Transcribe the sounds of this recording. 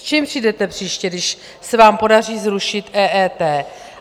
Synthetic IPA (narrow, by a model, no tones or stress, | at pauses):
t͡ʃiːmpr̥idɛt̪ɛpr̝̥iːʃcɛdɪʃ | sɛvaːmpo̞dariːzɾuʃɪt̪ʔɛːʔɛːt̪ɛː